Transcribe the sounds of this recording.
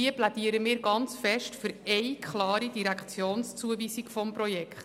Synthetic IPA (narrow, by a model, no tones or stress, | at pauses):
iəplæd̥iəɾəmɪːɾɡɑnt͡sfɛʃtfʏɾɛɪkʰχlɑːɾid̥iɾækχt͡sjoːnst͡suəviːsikfɔmpɾɔjɛkχt